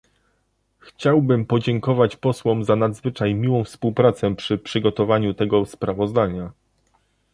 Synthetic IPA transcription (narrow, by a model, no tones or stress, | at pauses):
xt͡ɕawbɘmpɔd͡ʑɛŋkɔvat͡ɕpɔswɔmzanad̪zvɘt͡ʂajmʲiwɔ̃w̃fspuwpɾat̪sɛpʂɘpʂɘɡɔt̪ɔvaɲut̪ɛɡɔspɾavɔzd̪aɲa